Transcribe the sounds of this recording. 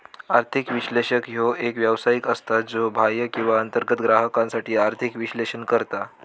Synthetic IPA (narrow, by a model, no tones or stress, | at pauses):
aɾt̪ʰikʋiɕleɕəkɦoʔekʋjəʋsajikəst̪ad͡zobʱajəkĩw̃ʋaənt̪əɾɡət̪ɡɾaɦəkãnsaʈiːaɾt̪ʰikʋiɕleɕənkəɾt̪a